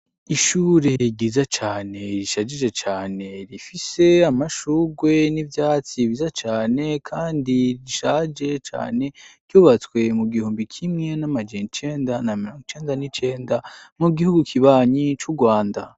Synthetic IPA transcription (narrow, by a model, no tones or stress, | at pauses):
iʃuɾe̞ɟiːzat͡ʃaːne̞ɾiʃad͡ʒid͡ʒe̞t͡ʃaːne̞ɾifise̞amaʃuːɡwe̞nivjaːt͡siβizat͡ʃaːne̞kʰaːndiiʃad͡ʒe̞t͡ʃa̰ːne̞ɡ̥juːβat͡swe̞muɡihuːmbikʰimŋe̞namad͡ʒenit͡ʃe̞ːndanamiɾoːŋɡot͡ʃe̞ːndanit͡ʃe̞ːndamuɡihuɡukʰiβaːɲit͡ʃuɡwaːnda